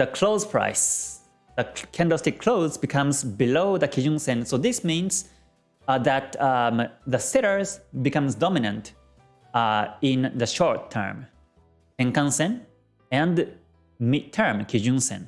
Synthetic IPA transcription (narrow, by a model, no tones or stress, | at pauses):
ðəkʰl̥oʊzpʰɹ̥a̰ɪs | ðəkʰɛ̃ndɔstɪkʰl̥oʊzbɪkʰʌ̃mzbɪloʊðəkʰid͡ʒũnsɛ̃nsoʊðɪsmĩnz | ðæt̪ | ðəsɛɾə˞zbɨkʌ̃mzdɔmɪnə̃nt | ɪ̃nðɨʃɔɹtʰːə̰˞m | ɛ̃ŋkãnsɨ̃n | ɨ̃n | mɪd̚tʰə˞mkʰid͡ʒũnsɛ̰̃n